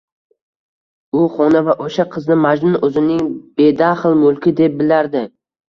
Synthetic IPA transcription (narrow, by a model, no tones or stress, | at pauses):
ʊχɒnavaʔoʃaqʰɨznɪmad͡ʒnʊnɵzɪnɪŋb̥e̞d̪aχlˠmʊlˠkʲɪd̪ep̚bɪlaɾd̪ɪ